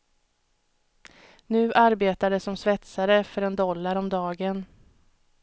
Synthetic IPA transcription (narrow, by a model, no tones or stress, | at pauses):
nʉ̟ːʔaɾbeːt̪ad̪əsːɔmsvɛt̪saɾəfœɾɛnd̪ɔlːaɾɔmd̪ɑːɡən